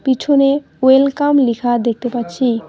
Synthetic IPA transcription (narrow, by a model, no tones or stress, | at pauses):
pit͡ɕʰone | elkamlikʰad̪ek̚ʰt̪epatːɕʰi